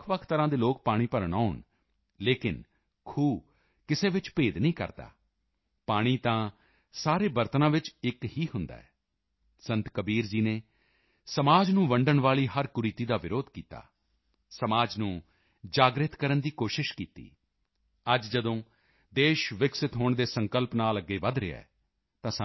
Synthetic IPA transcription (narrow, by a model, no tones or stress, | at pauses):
kʰʋəkʰt̪əɾãːd̪eːloːk̚paːɽ̃iːpəɾɳ̃aːʊɳ | leːkɪ̰n | kʰuː | kɪseːʋɪt͡ʃpeːd̪nĩːkə̰ɾd̪a̰ː | paːɽ̃iːt̪ãː | saːɾeːbəɾt̪nãːʋɪt͡ʃɪkɦiːɦʊnd̪a̰ːɛ̰ː | sə̃nt̪kəbiːɾd͡ʒiːneː | səmaːd͡ʒnũːʋəɳɖəɳʋaːliːɦəɾkʊɾiːt̪iːd̪aːʋɪɾoːd̪kiːt̪a̰ː | səmaːd͡ʒnũː | d͡ʒaːɡɾɪt̪kəɾənd̪iːkoːʃɪʃkiːt̪ḭː | əd͡ʒd͡ʒəd̪õː | d̪eːʃʋɪksɪt̪ɦoːɳd̪eːsə̃ŋkəlpnaːləɡːeːʋəd̪ɾɪɛ̰ː | t̪ãːsa